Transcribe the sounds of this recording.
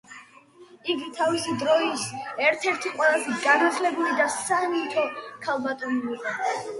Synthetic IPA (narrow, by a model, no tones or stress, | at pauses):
iɡit̪ʰavisid̪ɾɔisɛɾt̪ʰɛɾt̪ʰiqʼwɛlˠazɛɡanat̪ʰlɛbulid̪asanit̪ʰɔkʰalˠbat̪ʼɔniiqʼɔ